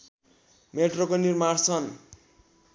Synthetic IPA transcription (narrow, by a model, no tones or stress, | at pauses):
meʈrokonirmaɽt͡sʰʌn